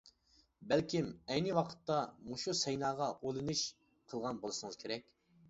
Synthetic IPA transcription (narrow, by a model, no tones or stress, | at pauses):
bælkʲimɛjnɪwɑqʰə̥t̪ːɑmoʃusɛjnɑːʁɑʔolˠɨnɨʃ | qʰəlˠʁɑnbolˠɨʃɨŋɨz̥kʲʰeɾɛkʲ